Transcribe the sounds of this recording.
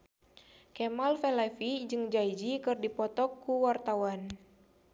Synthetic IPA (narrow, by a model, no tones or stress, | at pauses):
kɛmalfɛlɛfid͡ʒɨŋd͡ʒaid͡ʒikɨrdipɔt̪ɔkːuwart̪awan